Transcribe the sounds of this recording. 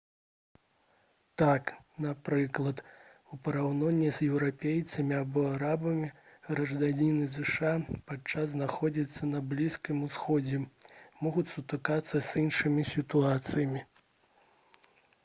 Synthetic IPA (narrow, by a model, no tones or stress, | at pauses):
t̪aknapɾɨklˠɐt̪upɐɾawnɔnʲːɛzjɛwɾapʲejt̪sɐmʲiabɔaɾabɐmʲiɣɾɐʐd̪anʲinɨzɨʂapat͡ʂːazznaxɔd͡zʲit̪sːɐnɐblʲiskʲimusxɔd͡zʲɛmɔɣut͡sʲsut̪ɨkat̪sːɐzʲinʂɨmʲisʲit̪uat̪sɨjɐmʲi